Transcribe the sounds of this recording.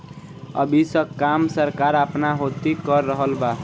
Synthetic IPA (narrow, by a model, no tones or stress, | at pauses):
ʌ̰bisʌkːamsʌɾkaɾapnaɦot̪ikʌrːʌɦʌlba